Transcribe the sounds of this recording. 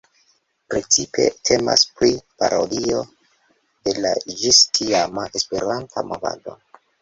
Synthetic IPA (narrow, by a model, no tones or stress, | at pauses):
pɾe̞t͡sipʰe̞̰tʰe̞ma̰spɾipaɾodio̞ | de̞lad͡ʒistʰiamaʔespe̞ɾantʰamova̰do̞